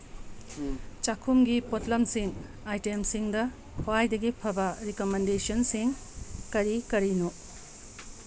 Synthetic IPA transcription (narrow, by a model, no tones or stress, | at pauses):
t͡ʃakʰumɡipotlɐmsiŋ | ajtemsiŋdɐ | hoajdɐɡipʰɐbɐɾikomendesonsiŋkɐɾikɐɾino